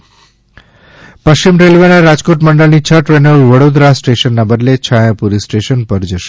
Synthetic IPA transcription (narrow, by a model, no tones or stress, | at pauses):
pəʃt͡ɕimɾelʋenaɾad͡ʒkoʈməɳɖəɭnit͡ɕʰəʈɾenəlʋəɽod̪ɾasʈeʃənːabəd̪let͡ʃʰajapuɾisʈeʃənpəɾd͡ʒəʃe̥